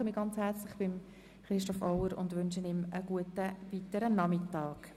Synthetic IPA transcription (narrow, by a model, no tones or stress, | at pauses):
əmɪːɡ̥ɑnt͡shɛʁt͡slɪχb̥ɪm | χɾɪʃtɔfɔʊəɾʊ̰ndʋʏnʃənɪməɡ̥uətəviːtəɾənɑmɪtɑːk